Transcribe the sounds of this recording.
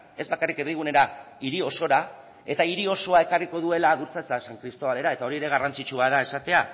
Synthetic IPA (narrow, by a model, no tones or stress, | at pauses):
e̞zbakarikeɾðiɣ̞une̞ɾa | iɾio̞so̞ɾa | e̞t̪aiɾio̞so̞ae̞kariko̞ð̞ue̞laːðuɾt͡sat͡sasaŋkɾist̪o̞βale̞ɾae̞t̪ao̞ɾiɾe̞ɣ̞arant͡sit͡ʃuaðae̞sat̪e̞a